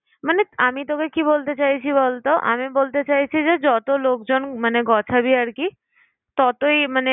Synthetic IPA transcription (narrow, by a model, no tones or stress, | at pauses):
maneamit̪okekibolt̪et͡ɕajt͡ɕʰiβolt̪oʔa̰mibolt̪et͡ɕajt͡ɕʰid͡ʑed͡ʑɔt̪olok̚d͡ʑonmaneɡɔt͡ɕʰabiaɾki | t̪ɔt̪oimane